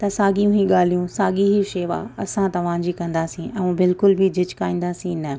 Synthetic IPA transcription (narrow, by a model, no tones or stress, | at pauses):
t̪ɐsaːɡijũɦĩɠaːl̤ijũsaːɠiɦiʃeːʋa̰ɐsãt̪ɐʋ̤ãːd͡ʑikɐ̃nd̪aːsĩʔɛ̃ːũbɪlkʊlbʱid͡ʑɪt͡ɕkaːĩːn̆d̪aːsĩnɐ